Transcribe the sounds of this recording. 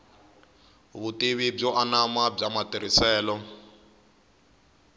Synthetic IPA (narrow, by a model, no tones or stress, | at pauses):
βutiβib͡ʐɔʔanamab͡ʐamatiɾisɛːlɔ